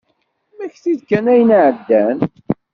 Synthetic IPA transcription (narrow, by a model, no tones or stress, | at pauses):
mæçθiðkænæjənʕəd̪ːæn